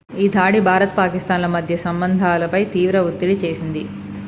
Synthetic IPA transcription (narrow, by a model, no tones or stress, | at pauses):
iːd̪ʱaːɽibʱaːɾɐt̪paːkist̪aːnlɐmɐd̪ʱjɐsɐmbɐnd̪ʱaːlɐpɐjt̪iːʋɾɐʋut̪ːiɽit͡ʃe̞ːsind̪i